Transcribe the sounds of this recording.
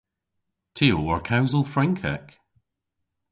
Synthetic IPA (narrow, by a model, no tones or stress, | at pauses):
tʰeoə˞kʰaʊzəl̩ˠfɹɛ̃ŋkʰɛ̰k